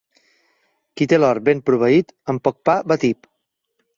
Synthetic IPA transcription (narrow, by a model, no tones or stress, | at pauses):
kit̪elɔɾbempɾuβ̞əit̪əmpɔk̚pabət̪ip